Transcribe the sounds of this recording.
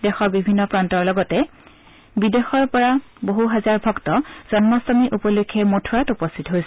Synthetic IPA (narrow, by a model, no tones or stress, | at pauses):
dɛxɔɹbibʱinːɔpɹantɔɹlɔɡɔtɛ | bidexɔɹpɔɹaboɦuɦazaɹbʱɔktɔz̥ɔnmɔsɔmiʔupɔlukʰːɛmotʰuɹatupɔstʰitɔɦojsɛ